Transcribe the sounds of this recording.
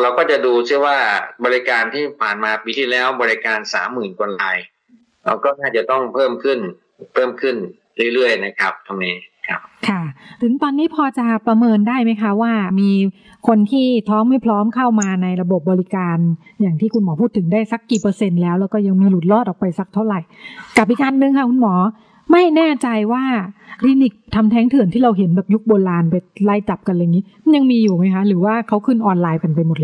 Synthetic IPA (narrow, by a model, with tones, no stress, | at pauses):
ɾa˧wkɔː˥˩t͡ɕa˨˩duː˧sɯ˥˩əwaː˥˩bɔː˧li˦˥kaː˧nt̪ʰiː˥˩pʰaː˨˩nmaː˧piː˧t̪ʰiː˥˩lɛː˦˥˩wbɔː˧ɾi˦kaː˧nsa̰ː˩˦mːɯː˨˩nkʰo˧nlaː˧j | a̰˧kɔː˥˩naː˥˩t͡ɕa˨˩t̪ɔ˥˩ŋpʰɤː˥˩mkʰɯ˥˩n | pʰɤː˥˩mkʰɯ˥˩n | ɾɯ˥˩˨ɾɯ˥˩əjna˦˥kʰa˦˥p̚t̪ʰa˧mniː˦˥˦kʰa̰˦˥p̚kʰa˥˩t̪ʰɯ˩˦ŋt̪ɔː˧nːiː˦˥pʰɔː˧t͡ɕa˨˩pɾa˧mɤː˧ndaː˥˩jma˦˥jkʰa˦˥waː˥˩miː˧ | kʰo˧nt̪ʰiː˥˩t̪ʰɔː˦˥mːa˥˩jpʰlɔː˦˥mkʰa˥˩wmaː˧na˧jɾa˧bo˨˩p̚bɔː˧li˦˥kaː˧n | jaː˨˩ŋt̪ʰiː˥˩kʰu˧nmɔː˩˦pʰuː˥˩t̪ʰːɯ˩˦daː˥˩jsa˦˥kːiː˨˩pɤː˧se˧nlɛː˦˥wlɛː˦˥wkɔː˥˩ja˧ŋmiː˧lu˨˩t̪̚lɔː˥˩t̪̚ʔɔː˨˩k̚pa˧jsa˦˥k̚t̪ʰa˥˩wɾa˨˩jka˨˩p̚ʔi˨˩k̚kaː˧nnɯ˧ŋkʰa˦˥˩kʰu˧nmɔː˩˦ | ma˥˩jnɛː˥˩t͡ɕa˧jwaː˥˩kʰli˧ni˨˩k̚t̪ʰa˧mt̪ʰɛː˦˥ŋt̪ʰɯ˨˩˦ənt̪iː˥˩ɾa˧wɦe˩˦nbɛː˨˩p̚ju˦˥k̚boː˧laː˧npa˧jla˧˩jt͡ɕa˨˩p̚ka˧nla˧jŋiː˦˥˦ja˧ŋmiː˧juː˨˩ma˦˥jkʰa˦˥ɾɯː˩˦waː˥˩kʰa˦˥wkʰɯ˥˩nʔɔː˧nlaː˧jka˧npa˧jmo˨˩t̚l